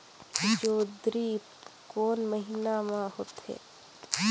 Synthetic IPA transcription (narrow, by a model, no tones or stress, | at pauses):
d͡ʒoːd̪ɾi | koːnməɦinamãɦoːt̪ɦḛː